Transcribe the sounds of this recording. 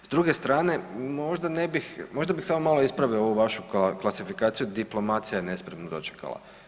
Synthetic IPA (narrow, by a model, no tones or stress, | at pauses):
zd̪ɾuɡe̞st̪ɾaːne̞mo̞ʒd̪ane̞bixmo̞ʒd̪abixsamomaloispɾaʋioʋuʋaʃuklˠasifikaːt̪sijud̪iplˠo̞mat̪sijajene̞spɾemnod̪o̞̰t͡ʃe̥ka̰la̰